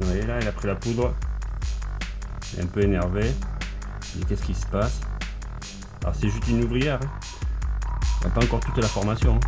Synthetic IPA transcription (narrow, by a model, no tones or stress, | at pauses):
wɛlailapχilapud̪ʁə | ɛlɛ̰ɛ̃pøenɛʁve | ilɛkʲɛsə̥kʲisə̥pas | alɔ̰ʁsɛʒyst̪ynuvʁijɛʁɛ̃ | ja̰paɑ̃kɔʁt̪ut̪lafɔʁmasjɔ̃ɛ̃